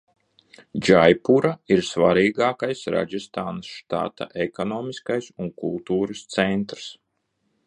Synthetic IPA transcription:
d͡ʒajpuɾaiɾsvaɾiːɡaːkajsɾa̰d͡ʒist̪aːnasʃt̪a̰t̪a̰ʔekɔnɔːmiskajsunkulˠt̪uːɾɨst̪sɛnt̪ɾs

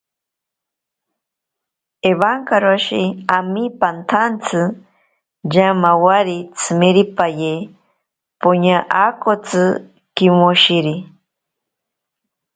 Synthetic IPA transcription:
eβaŋkaɾoʃiamipant̪ʰant͡sʰɨ | jamawaɾit͡sʰɨmeɾipaje | poɲaʔakot͡sɨ | kimoʃiɾi

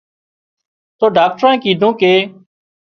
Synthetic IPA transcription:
t̪oːɖaːk̚ʈɾãːkiːd̪ʱũːkeː

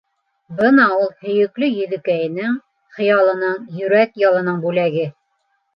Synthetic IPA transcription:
bɤnɑulˠhɵ̆jɵ̆klɵjɵ̆ðɘ̆kæjɘ̆nɘŋ | χɤ̆jɑlˠɤ̆nɤɴjɵ̆ɾækjɑlˠɤ̆nɤɴbʉlæɡɘ

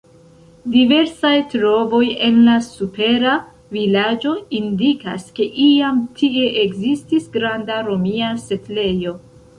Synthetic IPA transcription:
dive̞ɾsajtɾo̞vo̞je̞nlasupe̞ɾa | vilad͡ʒo̞indika̰ske̞ʔiamtʰie̞ʔeɡzistisɡɾandaɾo̞miase̞tle̞jo̞

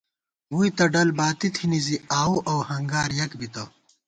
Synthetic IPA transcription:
wuit̪ɐɖɐlbaːt̪it̪ʰiniziaːuʔɐwhɐŋɡaːɾjɐkbit̪ɐ

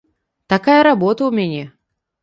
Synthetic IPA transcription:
t̪akajəɾabot̪əʊmʲɛnʲɛ

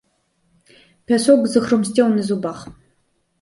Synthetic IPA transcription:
pʰʲɛsoɡʷzɨxrɨmstʼewnɨzubaχ

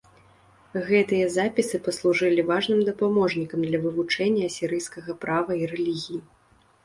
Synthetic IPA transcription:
ɣɛt̪ɨjɐzapʲisɨpɐslˠuʐɨlʲivaʐnɨmd̪ɐpamɔʐnʲikɐmd̪lʲɐvɨvut͡ʂɛnʲːɐɐsʲiɾɨjskɐɣɐpɾavɐiɾɛlʲiɣʲiji

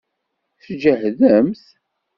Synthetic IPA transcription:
θd͡ʒəhðəmθ

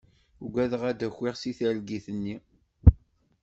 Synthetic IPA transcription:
ɡʷæðəʁæd̪æçːiʁsiθælɡiθənːi

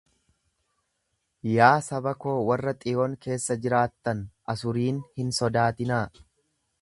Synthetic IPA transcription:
jaːsɐbɐko̞ːwɐrːɐt̪ʼɪoŋke̞ːsːɐd͡ʒɪɾaːt̪ːɐnʔɐsʊɾiːnhɪnsɔd̪aːt̪ɪnaː

